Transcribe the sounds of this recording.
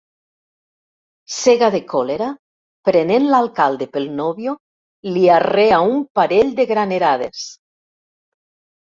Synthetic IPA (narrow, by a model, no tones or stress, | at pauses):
seɣaðekoleɾa | pɾenenlalkald̪epelnoβjo | liareaumpaɾeʎd̪eɣɾaneɾaðḛs